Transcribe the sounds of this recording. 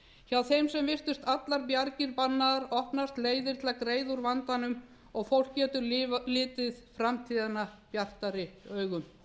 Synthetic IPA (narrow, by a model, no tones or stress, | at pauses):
çawθejmsɛmvɪst̪ʏst̪at̪laɾpjaɾcɪɾpanːaðaɾɔhpnast̪leːjðɪɾ̥t̪lakɾeːjðʊɾvant̪anʏm | ɔɣfowl̥cɛːt̪ʏɾlɪːt̪ɪðfɾamt̪ʰiːðanːapjar̥t̪aɾɪœːɥɣʏm